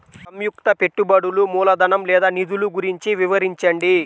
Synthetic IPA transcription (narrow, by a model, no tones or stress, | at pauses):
sɐmjuk̚t̪ɐpe̞ʈːubɐɽulumuːlɐd̪ɐnɐmlɛːd̪aːnid̪uluɡuɾiɲt͡ʃiʋiʋɐɾiɲt͡ʃɐɳɖi